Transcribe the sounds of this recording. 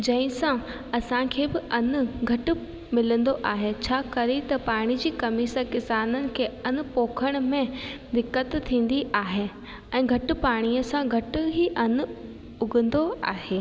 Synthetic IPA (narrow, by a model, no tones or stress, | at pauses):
d͡ʑɐ̃ɪ̃sã | ɐsãkʰeːbɪʔɐn̆ɡʱɐʈʊ̆ | mɪlə̃nd̪oʔaːɦet͡ɕʰaːkɐɾet̪ɐpaːɽ̃id͡ʑiːkɐmiːsəkɪsaːnənɪ̆kʰeːɐn̆poːkʰəɽ̃ʊ̆mẽd̪ɪkːət̪t̪ʰːĩːn̆d̪iʔaːɦe | ɛ̃ːɡʱɐʈʊ̆paːɽ̃iəsãɡʱɐʈʊ̆ɦiʔɐn̆ | ʊɡə̃n̆d̪oa̰ːɦeː